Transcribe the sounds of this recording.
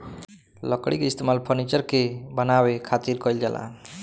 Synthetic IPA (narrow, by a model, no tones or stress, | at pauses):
lɔkɽikeist̪emalpʰɔɾnit͡ʃəɾkebʌnawekʰat̪iɾkɔild͡ʒalʔa̰